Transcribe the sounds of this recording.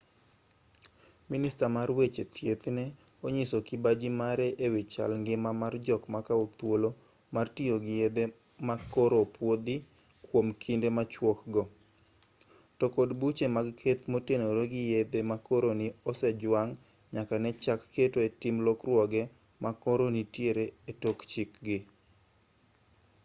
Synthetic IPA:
minɪstamarwet͡ʃet̪jet̪nɛ | oɲisokɪbad͡ʒimaɾɛʔewɪt͡ʃa̰lŋɡɪmamard͡ʒɔkmakaot̪wolo | martioɡɪjed̪e | makoɾopwod̪i | kwomkʰindemat͡ʃwɔkɡɔ | tɔkodbut͡ʃemaɡkʰet̪motenoɾoɡɪjed̪emakoɾonɪɔsɛd͡ʒwaŋ | ɲakanɛt͡ʃakːetoetɪmlɔkrwɔɡɛ | makɔɾonitjeɾeetokt͡ʃɪkɡɪ

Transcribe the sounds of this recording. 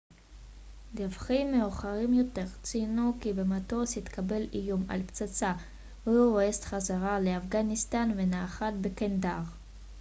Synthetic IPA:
davχimːeuχaʁimjote̞ʁt͡sinukibematosit̪kʰabe̞lijuma̰lpt͡sat͡sa | veuoest̪χazaʁaleafɡanistanvenaːχat̪bekendaʁ

